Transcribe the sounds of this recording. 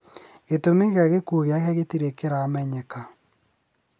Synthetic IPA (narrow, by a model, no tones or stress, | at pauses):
ɣetomeɣaɣekuɣjakaɣetiɾekeɾaːmɛɲɛka